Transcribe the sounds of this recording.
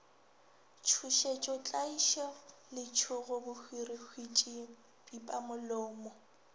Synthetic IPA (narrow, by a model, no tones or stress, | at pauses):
t͡ʃʰuʃet͡ʃʼɔt͡ɬʼaiʃɔlɪt͡ʃʰʊɣʊbʊhʰwirihʰwit͡ʃʼi | pʼipʼamʊlʊːmɔ